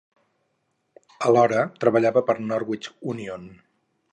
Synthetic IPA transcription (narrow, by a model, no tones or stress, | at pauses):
əlɔɾət̪ɾəβəʎaβəpəɾnɔɾwit͡ʃunion